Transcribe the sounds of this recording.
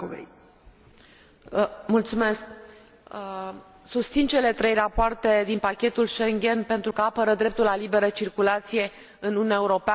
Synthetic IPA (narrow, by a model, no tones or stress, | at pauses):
vḛj | mult̪sume̞sk | sust̪sint͡ʃe̞le̞t̪ɾe̞jrapoart̪e̞d̪inpakʲe̞t̪ulʃeŋɡʲe̞npe̞nt̪ɾukəapəɾəd̪ɾe̞p̚t̪ulalibe̞ɾət͡ʃirkulat̪sije̞ | ɨnununʲaeuɾo̞pea